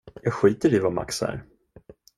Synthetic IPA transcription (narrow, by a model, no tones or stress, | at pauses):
jɑːɡɧiːt̪əɾivama̰ksæ̰ːɾ